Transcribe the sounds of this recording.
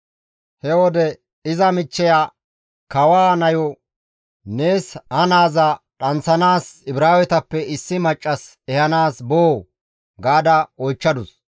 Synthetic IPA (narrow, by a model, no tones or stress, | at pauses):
hɛwɔd̪ɛ | ɪzɐmɪt͡ʃːɛja | kɐwaːnɐjɔ | neːshɐnaːzɐ | ᶑɐnsɐnaːsɪbɾaːwɛt̪ɐpːɛɪsːɪmɐt͡ʃʼːɐs | ɛhɐnaːsboː | ɡaːd̪ɐɔjt͡ʃːɐd̪ʊs